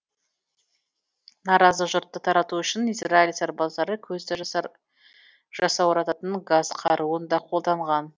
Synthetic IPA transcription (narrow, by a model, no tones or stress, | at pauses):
nɑɾɑzəʒʊɾt̪ːət̪ʰɑɾɑt̪uʏʃɪnijsrailʲsɑɾbɑzɑɾəkʲʰɵzd̪ɪ | ʒɑsɑwɑɾɑt̪ɑt̪əɴɡaz̥qʰɑɾuənd̪ɑqʰo̞lˠd̪ɑɴʁɑn